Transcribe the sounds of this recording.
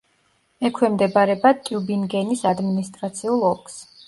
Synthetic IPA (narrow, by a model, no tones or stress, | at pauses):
ɛkʰwɛmd̪ɛbaɾɛbat̪ʼubinɡɛnisad̪minist̪ʼɾat̪sʰiulˠɔlkʰʼs